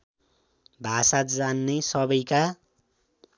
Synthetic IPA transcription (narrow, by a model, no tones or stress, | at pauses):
bʱasat̪d͡zanːesʌbʌjka